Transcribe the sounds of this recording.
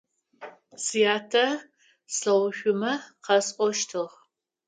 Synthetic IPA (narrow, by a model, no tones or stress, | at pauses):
sijaːtʰɐ | sɬɐwʃʷʊmɐqɐsʼʷɔʃtʰɨʁ